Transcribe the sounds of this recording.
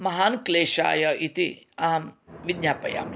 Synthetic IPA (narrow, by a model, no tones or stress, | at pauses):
mɐɦaːnkleːʃa̰ːjɐit̪i | amʋid̪ɲaːpɐ̰ja̰ːm